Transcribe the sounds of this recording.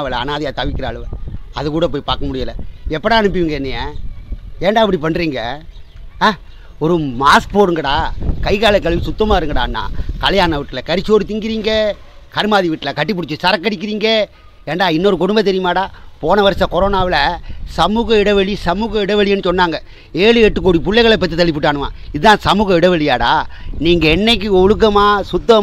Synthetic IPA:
ʋɪlɐːnaːðɐjaːt̪ɐʋɪkʲːɪɾɐːɭɯʋɐ̰ðɯkuːɽɐp̬oːjpaːɾkɐmʊɽɪjɐlɐɛpːɐɽãːɐɳɯp̬ːɪʋɪŋɡɐɛnːɐja | eːɳɖaːɪpɐɽipɐnːɾiːŋɡɐː | ɔɾɯmaːspoːɾɯŋɡɐɽãːkɐɪɣaːɭɐkːɐɭʋisʊt̪ːɐmaːɪɾɯŋɡɐɽa̰ːnːã̰ːkɐlɐjaːnɐʋɪʈːɪlɐkɐɾɪt͡ʃːoːɾɯt̪ːɪŋɡɪɾiːŋɡɐ | kɐɾɯmaːðiʋɪʈːɪlɐkɐʈːɯpːʊɽɪt͡ʃːɯsɐɾɐkːɐɽɪk̬ːɪɾiːŋɡɐ | eːnɖaːɪnːɔɾɯkʊɽɯmbɐt̪ːɛɾɪjɐmaːɽaːpoːnɐʋɐɾɐsɐ̃kɔɾoːnaːʋɪlɐsɐmuːɣɐɪɽɐʋɛɭisɐmuːɣɐɪɽɐʋɛɭɪjɛnːɯsɔnːaːŋɡɐ | eːɭɯɛʈːɯk̬ːoːɽipʊɭːɛɣɐɭɛpːɐt̪̬ːit̪ɐlːɪpːɯʈːaːnɯʋa̰ː | ɪðɯt̪ãːsɐmuːɣɐɪɽɐʋɛɭɪjaːɽa̰ːniːŋɡɐɛnːɐk̬ːɯɔɻɯk̬ːɐmaːsʊt̪ːɐ

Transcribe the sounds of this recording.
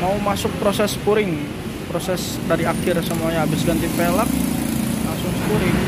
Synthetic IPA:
maumasʊk̚pɾosɛspuɾɪŋ | pɾosɛs | daɾiakɪrsəmuajãabɪsɡant̪ipelak̚laŋsʊŋsəpuɾɪŋ

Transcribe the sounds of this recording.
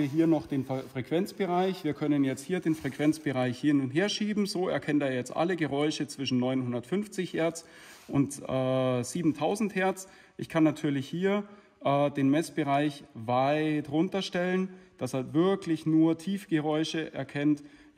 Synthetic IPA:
iːɐɦiːɐnɔχd̥eːnfʁ̥ekv̥ɛnt͡sb̥əʁaɪçv̥iːɐkʰœnənjɛt͡st̚hiːɐdeːnfʁ̥ekv̥ɛnt͡sb̥əʁaɪçhɪnʊntheːɐʃiːbm̩zoːɛɐkʰɛnteːɐjɛt͡stʔa̰ləɡəʁɔʏʃət͡sv̥ɪʃn̩nːɔʏnhʊndɐtfʏnft͡sɪçhɛɐt͡s | ʔʊntʔɛːz̥iːbm̩tʰaʊzn̩thɛɐt͡s | ʔɪçkʰanːatʰyːɐlɪçhiːɐ | ʔɛːdeːnmɛsb̥əʁaɪçvaɪtʁʊntɐʃtɛlənd̥asaɐvɪɐklɪçnuːɐtʰiːfɡ̥əʁɔʏʃəʔɛ̰ɐkʰɛnt

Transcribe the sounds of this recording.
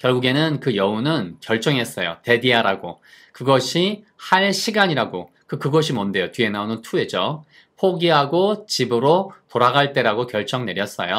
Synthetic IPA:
kjʌɭɡuɡe̞nɯnkɯjʌunɯnkjʌɭt͡ɕ͈ʌŋɦe̞s͈ʌjo̰te̞diaɾaɡokɯɡʌɕʰihaɭɕʰiɡaɲiɾaɡo | kɯkɯɡʌɕʰimʌnde̞jotɥie̞naonɯntʰue̞d͡ʑo | pʰoɡiɦaɡot͡ɕibɯɾotoɾaɡaɭt͈e̞ɾaɡokjʌɭt͡ɕ͈ʌŋne̞ɾjʌs͈ʌ̰jo

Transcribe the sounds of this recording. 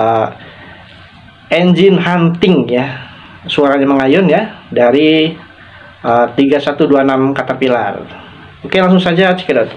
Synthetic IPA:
ə | ɛnd͡ʒɪnɦant̪ɪŋja | suaɾaɲaməŋajʊnjadaɾi | ʔəːt̪iɡasat̪uduanamkat̪arpila̰r | okelaŋsʊŋsad͡ʒat͡ʃi̥kadat̪

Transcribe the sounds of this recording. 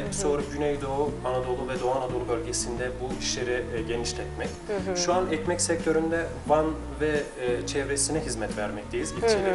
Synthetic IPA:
so̞ːɾupɟynɛjd̪ouanad̪o̞lˠuvɛd̪oanad̪o̞lˠubølʲɟesind̪ɛbuiʃlʲeɾiɟe̞niʃlʲɛt̪mɛc | ʃuanɛcmɛcsɛc̚t̪ʰø̞ɾynd̪ɛ | van | vɛt͡ʃʰɛvɾesinɛɦizmɛt̪væɾmɛc̚t̪ʰejizɟit͡ʃʰilʲi

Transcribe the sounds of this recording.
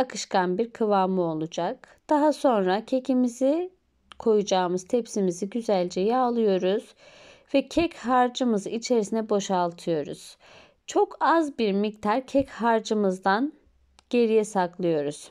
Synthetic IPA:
akʰɯʃkanbiɾkʰɯvaːmɯo̞lˠud͡ʒak̚d̪̥aɦaso̞nɾacʰe̞cʰimizi | kʰo̞jud͡ʒaːmɯz̥t̪ʰɛpsimiziɟyzælʲd͡ʒɛjɛːlˠɯjo̞ɾuz̥ | vɛcʰɛchaɾd͡ʒɯmɯzɯit͡ʃʰe̞ɾisinɛbo̞ʃaːlˠt̪ʰɯjo̞ɾṵz̥ | t͡ʃʰo̞kazbiɾmict̪ʰaɾcʰɛchaɾd͡ʒɯmɯzd̪an | ɟ̥e̞ɾijɛsaklˠɯjo̞ɾuz̥

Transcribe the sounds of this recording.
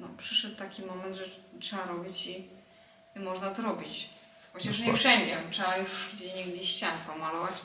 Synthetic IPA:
nɔpʂɘʂɛt̪ːakʲimɔmɛnd̪ʐɛtʂɛaɾɔbʲit͡ɕi | imɔʐnat̪ɔɾɔbʲit͡ɕ | xɔt͡ɕaʂ̬ɲɛfʂɛɲd͡ʑɛtʂɛajuʂɡd͡ʑeɲɛɡd͡ʑeɕt͡ɕanpɔmalɔvat͡ɕ

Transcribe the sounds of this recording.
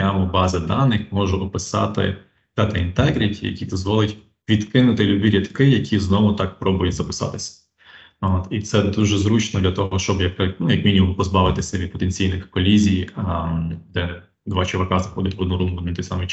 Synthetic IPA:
amɔbɑzɐd̪ɑnːɪxmɔʒʊʔɔpɪsɑ̰t̪ɪ̰ | d̪ɛt̪ɐint̪ɛɡɾʲitʲʰijɐ̰kʲid̪ɔzʋɔlˠɪtʲ | ʋʲid̪kɪnʊt̪ɪlʲʊd̪iɾʲit̪kɪjɐkʲiznɔʋʊt̪ɑkpɾɔbʊjʊtʲzɐpɪsɑ̰t̪ɪsʲɐ̥ | oːt̪it̪sɛd̪uʒɛzɾut͡ʃnɔd̪lʲɐt̪ɔɔʃt͡ʃɔbjɐknujɐkmʲinʲimɔmpɔzbɑʋɪt̪ɪsʲɐʋʲid̪̚pɔt̪enʲt͡sʲijnɪxkɔlʲizʲij | d̪ɛ | d̪ʋɑt͡ʃɪʋɐkɑzɐxɔd̪ʲɐtʲʋɔd̪nuɾumlʊnʲint̪ɔjsɑmɨ

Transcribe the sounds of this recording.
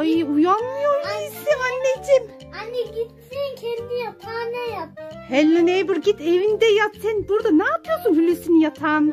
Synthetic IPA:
ajɯujanmˠɯjoɾiisimanʲːed͡ʒim | aniɟit̪sinkʰɛɾd̪ijat̪ʰaːnɛjat̪hɛlʲːanejbuɾɟit̪evind̪ɛjat̪ʰːɛnbuɾd̪anaːpʰɯjosunhylʲysynijat̪ʰaːn

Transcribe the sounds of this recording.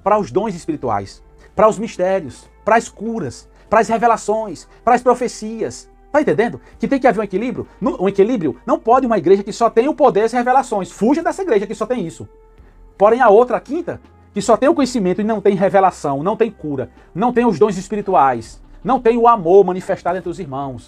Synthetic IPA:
pɾɐʊzd̪õj̃zispiɾit̪ua̰js | pɾɐʊzmiʃt̪ɛɾjʊs | pɾɐskuɾɐs | pɾɐashevelasõj̃s | pɾɐaspɾofesiɐs | t̪aẽt̪ẽnd̪ẽnd̪ʊkɪt̪ẽj̃kɪaveɾũekilibɾjʊnɐ̃ũekilibɾijʊnɐ̃w̃pɔd̪ɪũmɐiɡɾeʒɐkɪsɔt̪ẽj̃ʊpod̪eɾɐzhevelasõj̃sfuʒɐd̪ɛsɐiɡɾeʒɐkɪsɔt̪ẽj̃isʊ | poɾẽj̃aowt̪ɾɐkĩnt̪ɐ | kɪsɔt̪ẽj̃ʊkõɲesimẽnt̪ʊɪnɐ̃w̃t̪ẽj̃ɦevelasɐ̃w̃nɐ̃w̃t̪ẽj̃kuɾɐ | nɐ̃w̃t̪ẽj̃ʊzd̪õj̃zispiɾit̪uajsnɐ̃w̃t̪ẽj̃ʊamoɾmɐ̃nifeʃt̪ad̪ʊẽt̪ɾɪʊziɾmɐ̃w̃s

